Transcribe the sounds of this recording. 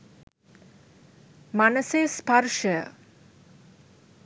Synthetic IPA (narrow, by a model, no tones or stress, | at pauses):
manəsespaɾuʃəjə̰